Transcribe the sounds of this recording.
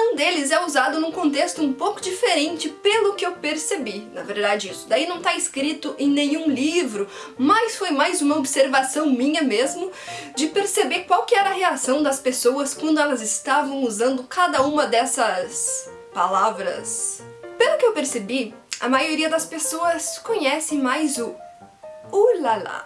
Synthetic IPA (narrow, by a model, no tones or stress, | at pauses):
ũd̪elɪzɛuzad̪ʊnũkõnt̪est̪ʊũpowkʊd͡ʒifeɾẽnt͡ʃɪpelʊkɪewpeɾsebinɐveɾd̪ad͡ʒɪisʊd̪ainɐ̃w̃t̪aɪskɾit̪ʊʔẽj̃nẽɲ̃ũlivɾʊ | majsfojmajzũmɐobseɾvasɐ̃w̃mĩɲɐmezmʊd͡ʒɪpeɾsebekwawkɪɛɾɐheasɐ̃w̃d̪ɐspesoɐskwɐ̃nd̪ʊɛlɐzɪst̪avɐ̃w̃uzɐ̃nd̪ʊkad̪ɐũmɐd̪ɛsɐs | palavɾɐ̰s | pelʊkɪewpeɾsebi | ɐ̰majoɾiɐd̪ɐspesoɐskõɲɛsẽj̃majzʊ | ulala̰